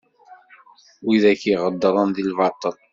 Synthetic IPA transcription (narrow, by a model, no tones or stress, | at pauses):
wiðækiʁəd̪ːɾˤənðilvɑt̪ˤːəl